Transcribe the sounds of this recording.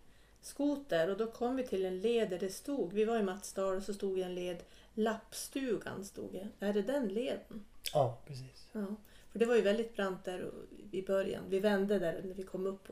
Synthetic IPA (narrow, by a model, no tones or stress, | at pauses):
skuːt̪̚d̪æɾɔd̪ɔkʰɔmːvɪt̪ʰɪlɛnleːd̪æɖɛst̪uːɡvɪvaɾɪmat̪sd̪ɑːlsɔst̪uːɡjaɛnleːd̪ | lapːst̪ʉ̟ːɡa̰nst̪ṵːɡjaæɖɛd̪ɛnleːd̪ənɑːpʰɾɛsiːsɑːfœɖɛvaɾjɵvɛld̪ɪt̪̚bɾant̪̚d̪æɾ̰ɪbœɾja̰nvɪvɛnd̪əd̪æɾnæɾvɪkʰɔmːɵpː